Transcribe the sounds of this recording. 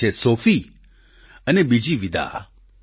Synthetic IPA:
esofi | ənebid͡ʒiʋid̪a̰

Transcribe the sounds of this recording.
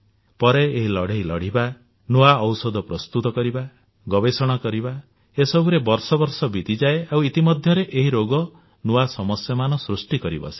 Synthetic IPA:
pɔɾeːɦilɔɽeilɔ̰ɽ̤iba | nuaɔwsɔd̪ʱɔpɾɔst̪ut̪ɔkɔɾiba | ɡɔbesɔɽ̃ɔkɔɾiba | esɔbuɾebɔɾsɔbɔɾsɔbit̪id͡ʒaeawit̪imɔd̪ʱjɔɾeʔeɦiɾoɡɔ | nuasɔmɔsjɔmanɔsɾusʈikɔɾibɔ̰si̥

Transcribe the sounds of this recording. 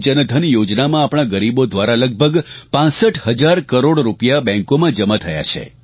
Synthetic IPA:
d͡ʒənəd̪ʱənjod͡ʒnamãaːpɽ̃aɡəɾibod̪ʱʋaɾaləɡ̚bʱəɡpãsəʈʰɦəd͡ʒaɾkəɾoɽɾupjabɛ̃ŋkomãd͡ʒəmãt̪ʰəja̰t͡ʃʰḛ

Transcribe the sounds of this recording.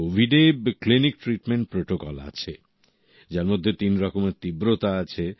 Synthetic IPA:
obʱiɖebklinik̚ʈɾiʈmeɳʈ̚pɾoʈokɔla̰t͡ɕʰe | d͡ʑaɾmod̪ʱːet̪inɾɔkomeɾt̪ibɾot̪aat͡ɕʰe

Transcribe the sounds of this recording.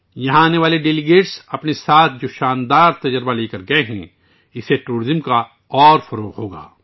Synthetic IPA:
jɐɦãaːneʋaːleɖeːlɪɡeːʈsɐpnesaːt̪ʰd͡ʒoːʃaːnd̪aːɾt̪ɐd͡ʒəɾbaleːkəɾɡɐeɦɛ̰̃ | ɪseʈuːɾɪzəmka | ɔːɾfɐɾoːqɦoːɡa̰ː

